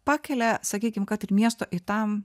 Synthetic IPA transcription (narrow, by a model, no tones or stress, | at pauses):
pɑːkʲɛlʲɛsɐkʲiːkʲɪmkɐt̪ɪɾmʲiɛst̪oːʔɪt̪ɐm